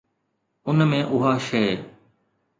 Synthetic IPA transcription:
ʊnmẽːʔʊɦaːʃeː

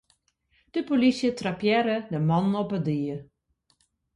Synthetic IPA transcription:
d̥əpolisjətrapjɛɾədəmɑnɔpədiə

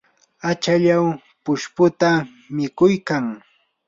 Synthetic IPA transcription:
at͡ʃaʎaw | pʊʃpʊt̪a | mɪkʊjkaŋ

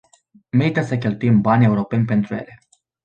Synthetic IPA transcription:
me̞ɾit̪asək̬ʲe̞lt̪uimbanʲe̞uɾo̞pe̞nʲpe̞nt̪ɾujele̞

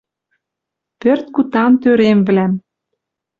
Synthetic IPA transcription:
pørt̪̚kut̪ɑnt̪øɾemvlæm

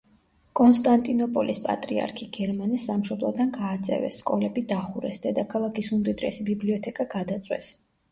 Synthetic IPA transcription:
kʼɔnst̪ʼant̪ʼinɔpʼɔlʔispʼa̰t̪ʼɾḭa̰ɾkʰiɡɛɾmanɛsːamʃɔblˠa̰d̪anɡaːt̪sʼɛ̰vɛ̰sːkʼɔlɛbid̪aχuɾɛsd̪ɛd̪akʰalˠakʰisumd̪id̪ɾɛsibibliɔt̪ʰɛkʼaɡad̪at̪sʼwɛ̰s

